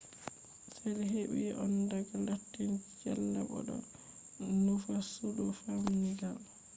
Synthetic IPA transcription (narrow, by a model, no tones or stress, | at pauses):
salɛɦeɓḭʔɔndaɡalatːint͡ʃɛlːabɔ̰ɗɔ̰ | nufasudɔfaminiɡal